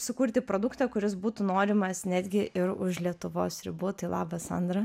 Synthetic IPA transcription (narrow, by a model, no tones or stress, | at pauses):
sʊkuːɾʲt̪ʲɪpɾoːd̪ʊkt̪ʲɐkʊɾʲɪsbuːt̪uːnoːɾʲɪmɐsnʲæːd̪ʲɡʲɪʔɪɾʊʃlʲiɛt̪ʊʋo̰ːsɾʲɪ̰buːt̪ɐɪlˠɑ̰ːbɐsɐ̰nd̪ɾɐ